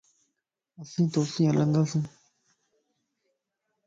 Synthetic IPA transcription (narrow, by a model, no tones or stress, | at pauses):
əsĩːt̪oːsĩːələ̃nd̪aːsĩː